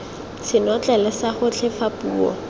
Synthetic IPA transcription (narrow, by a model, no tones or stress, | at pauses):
sɪnɔt͡ɬʼɛlɪsaχʊt͡ɬʰɪfapuːɔ̰